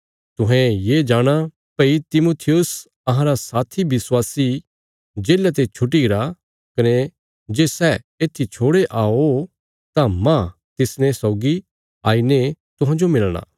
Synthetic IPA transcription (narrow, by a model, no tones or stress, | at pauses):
t̪ʊɦɛ̃jeːd͡ʒaːɽ̃a | pɐit̪ɪmoːt̪ʰɪjʊs | ɐɦãɾasaːt̪ʰibɪswaːsi | d͡ʒeːlat̪̬et͡ʃʰʊʈiɪɾa | kɐne | d͡ʒeːsɛ | eːt̪ʰit͡ʃʰoːɽeʔaːo | t̪ãmã | t̪ɪsnɛ̃sɔːɡi | aːinet̪ʊɦãd͡ʒomɪlɽ̃a̰ː